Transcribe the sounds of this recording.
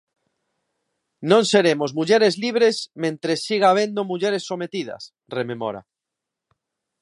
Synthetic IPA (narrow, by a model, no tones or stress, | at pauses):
nõnseɾemozmuʎeɾezliβ̞ɾesmẽnt̪ɾesːiɣ̞aːβ̞ẽnd̪omuʎeɾesːomet̪ið̞ɐ̰s | rememɔ̰ɾa̰